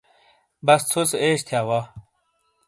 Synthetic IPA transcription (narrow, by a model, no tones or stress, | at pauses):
bɐst͡sʰut͡seːɕt̪ʰjaːwa